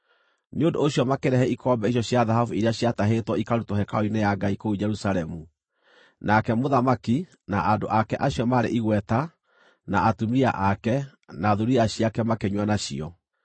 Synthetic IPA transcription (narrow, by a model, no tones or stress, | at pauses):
neondoːɕjɔmakeɾɛhɛikɔmbɛiɕ̬jɔɕjaðaɦavuiɾeaɕjataɦetwɔikaɾutoɦɛkaoinejaɡaikoud͡ʒɛɾusaɾɛmu | nakɛmoðamaki | naʔandoʔakɛʔaɕjɔmaɾḛʔiɣwɛta | naʔatumia̰ʔakɛ | naðuɾiaɕjakɛmakeɲwanaɕḭɔ̰